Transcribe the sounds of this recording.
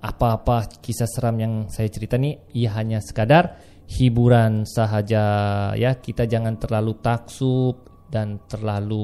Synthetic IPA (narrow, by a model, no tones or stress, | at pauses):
ʔapaːpakisasəɾamjaŋsajat͡ʃəɾit̪aniijaɦaɲasə̥kadar | hibuɾansəɦad͡ʒajakit̪ad͡ʒaŋant̪ərlalut̪aksup̚ | dant̪ərlalu